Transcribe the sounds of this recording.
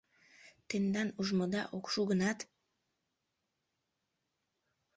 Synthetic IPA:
t̪end̪ɑnuʒmod̪ɑ̰ʔokʃuɡə̆nɑt̪

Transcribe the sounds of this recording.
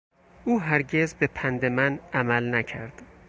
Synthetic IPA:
ʔuːɦæɾɟe̞zbepʰænd̪e̞mænæmælnæcʰæɾd̪̥

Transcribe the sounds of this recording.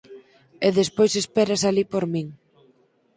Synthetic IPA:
eðespojsespɛɾasalipoɾmiŋ

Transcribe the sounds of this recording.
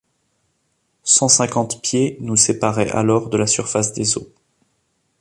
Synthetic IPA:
sɑ̃sɛ̃kɑ̃t̪pjenusepaʁɛʔa̰lɔʁd̪əlasyʁfasd̪ezo

